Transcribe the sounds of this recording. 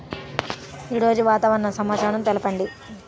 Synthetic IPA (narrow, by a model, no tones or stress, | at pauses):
iːɾo̞ːd͡ʒuʋaːt̪aːʋɐɾɐɳɐsɐmaːt͡ʃaːɽɐmt̪elɐpɐɳɖi